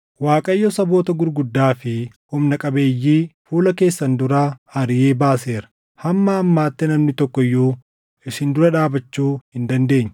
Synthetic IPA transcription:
waːkʼɐjːosɐbo̞ːt̪ɐɡʊɾɡʊd̪ːaːfɪ | hʊmnɐkʼɐbe̞ːjːiːfuːlɐke̞ːsːɐnd̪ʊɾaːhɐɾɪjeːbaːseːɾɐ̥ | hɐmːaːmːaːt̪ːɛnɐmnɪt̪ɔkːɔɪjːuː | ɪsɪnd̪ʊɾɐᶑaːbɐt͡ʃːuːhɪnd̪ɐnd̪e̞ːɲːɐ

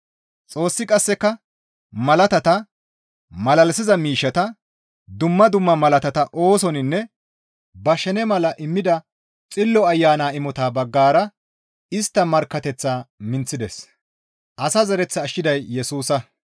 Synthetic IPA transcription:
t͡sʼo̞ːsːɪkʼɐsːɛkːɐ | mɐlɐt̪ɐt̪ɐ | mɐlɐlsɪzɐmiːʃːɐt̪ɐ | d̪ʊmːɐd̪ʊmːɐmɐlɐt̪ɐt̪ɐʔo̞ːsɔnɪnːɛ | bɐʃɛnɛmɐlɐʔɪmːɪd̪ɐ | t͡sʼɪlːɔɐjːaːnaːɪmɔt̪aːbɐɡːaːɾɐ | ɪst̪ːɐmɐɾkːɐt̪ɛt͡sːaːmɪnt͡sːɪd̪ɛs | ʔɐsɐzɐɾɛt͡sːɐːʃːɪd̪ɐjːɛsuːsɐ

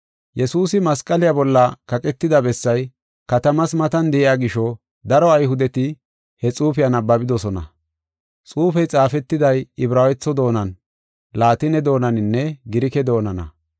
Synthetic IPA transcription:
jɛsuːsɪmɐskʼɐlɪjabɔlːɐkɐkʼɛt̪ːɪd̪ɐbɛsːɐj | kɐt̪ɐmɐsmɐt̪ɐnd̪ɛʔɪjaːɡɪʃɔ | d̪ɐɾɔɐjhʊd̪ɛt̪ɪ | hɛt͡sʼuːfɪjɐnɐbːɐbɪd̪ɔsɔnɐ̰ | t͡sʼuːfɛjt͡sʼaːfɛt̪ːɪd̪ɐjɪbɾaːwɛt͡sːɔd̪o̞ːnɐn | laːt̪ɪnɛd̪o̞ːnɐnɪnːɛɡɪɾɪkɛd̪o̞ːnɐnɐ̰

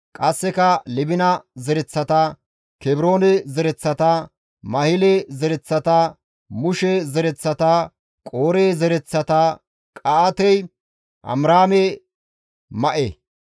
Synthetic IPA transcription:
kʼɐsːɛkɐlɪbɪnɐzɛɾɛt͡sːɐt̪ɐ | kɛbɾo̞ːnɛzɛɾɛt͡sːɐt̪ɐ | mɐhɪlɛzɛɾɛt͡sːɐt̪ɐ | mʊʃɛzɛɾɛt͡sːɐt̪ɐ | kʼoːɾeːzɛɾɛt͡sːɐt̪ɐ | kʼɐːt̪ɛj | ʔɐ̰mɾaːmɛ | mɐʔe

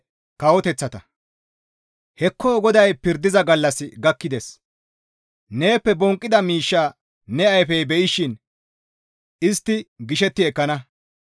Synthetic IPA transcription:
kɐwɔt̪ɛt͡sːɐt̪ɐ | hɛkːoːɡɔd̪ɐjpɪɾd̪ɪzɐɡɐlːɐsɪɡɐkːɪd̪ɛs | ne̞ːpːɛbɔŋkʼːɪd̪ɐmiːʃːaː | nɛɐjfɛjbɛʔɪʃɪn | ɪst̪ːɪɡɪʃɛt̪ːɪɛkːɐnɐ

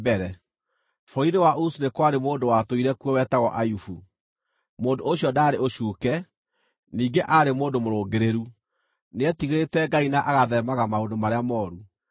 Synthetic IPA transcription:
bɛɾɛ | fɔiɾewaʔusunekwaɾemoːndowatoiɾɛkwɔwɛtaɣɔʔajufu | moːndooɕjɔdaːɾeoɕuːkɛ | niːɡeʔaɾemoːndomoɾoːɡeɾeɾu | neɛtiɣeɾetɛɡainaʔaɣaðɛmaɣamaondomaɾeamɔːɾu

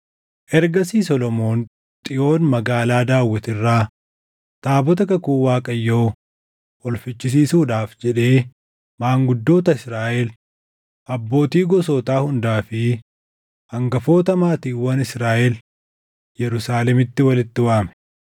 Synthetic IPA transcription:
ʔɛɾɡɐsiːsɔlɔmo̞ːn | t̪ʼɪʔo̞ːnmɐɡaːlaːd̪aːwːɐt̪ɪrːaː | t̪aːbɔt̪̬ɐkɐkuːwaːkʼɐjːo̞ː | ʔɔlfɪt͡ʃːɪs̬iːsuːᶑaːfd͡ʒɛᶑe̞ː | maːŋɡʊd̪ːo̞ːt̪ɐɪsɾaːʔel | ʔɐbːo̞ːt̪iːɡɔsoːt̪aːhʊnd̪aːfɪ | ɐŋɡɐfo̞ːt̪ɐmaːt̪iːwɐnɪsɾaːʔɛl | jɛɾʊsaːlɛmɪt̪ːɪwɐlɪt̪ːɪwaːmɛ̥

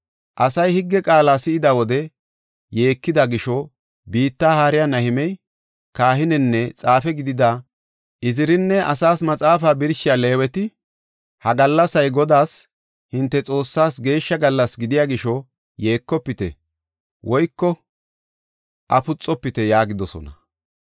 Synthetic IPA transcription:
ʔɐsɐjhɪɡːɛkʼaːlaːsɪɪd̪ɐwɔd̪ɛ | je̞ːkːɪd̪ɐɡɪʃɔ | biːt̪ːaːhaːɾɪjanɐhɪmɛj | kaːhɪnɛnːɛt͡sʼaːfɛɡɪd̪ɪd̪a | ʔɪzɪɾɪnːɛʔɐsaːsmɐt͡sʼaːfaːbɪɾʃɪjale̞ːwɛt̪ɪ | hɐɡɐlːɐsɐjɡɔd̪aːs | hɪnt̪ːɛt͡sʼo̞ːsːaːsɡe̞ːʃːɐɡɐlːɐsɡɪd̪ɪjaːɡɪʃɔ | jeːkːɔpːɪt̪ɛ̰ | wɔjkːɔ | ʔɐpʊt͡sʼːɔpːɪt̪ɛjaːɡɪd̪ɔsɔ̰nɐ

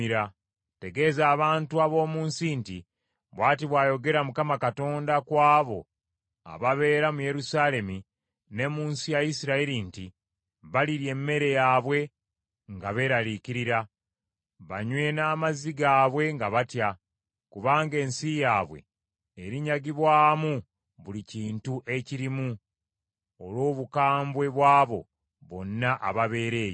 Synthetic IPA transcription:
iɾa | te̞ɡe̞zaːβaːntuaβo̞ːmuːnsinti | βwaːtiβwaːjo̞ɡe̞ɾamukamakato̞ːndakwaːβo̞̰ | a̰βaβe̞ːɾamuje̞ɾusale̞mi | ne̞muːnsijajisiɾaiɾinti | βaliɾje̞mːe̞ɾe̞jaβwe̞ | ŋɡaβe̞ːɾalikiɾiɾa | βaɲwe̞naːmaziɡaːβwe̞ŋɡaβatja | kuβaːŋɡe̞ːnsijaːβwe̞̰ | eɾiɲaɡiβwaːmu | βuliciːntuʔe̞ciɾimu | olwo̞ːβukaːmbwe̞βwaːβo̞̰ | βo̞nːaʔa̰βaβe̞ːɾe̞ːjo

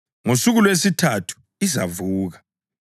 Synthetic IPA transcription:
ŋosuɣulwes̬itʰatʰu̥ | iza̰vuːɣa

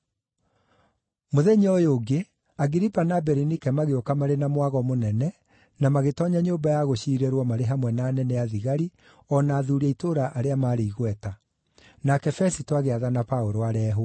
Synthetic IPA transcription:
moðɛɲiɔjoɡe | aɡiɾipanabɛɾinikɛmaɣeokamaɾenamwaɣɔmonɛnɛ | namaɣetɔɲaɲoːmbajaɣoɕiːɾeɾwɔmaɾeɦamwɛnaːnɛnɛjaðiɣaɾi | ɔnaːðuɾiaitoɾaʔaɾeamaːɾeiɣwɛta | nakɛfɛsitoaɣeaðanapaoɾoaɾɛːɦo

